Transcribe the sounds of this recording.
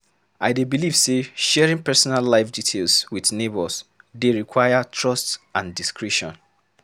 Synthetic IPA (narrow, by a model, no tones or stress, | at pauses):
aɪdebilivseʃɛɹĩŋpɛsɔnalːaɪfditʰelswiðnebɔsdeɹikʰwaɪjatʰɹɔstãndiskɹɛʃɔ̰̃n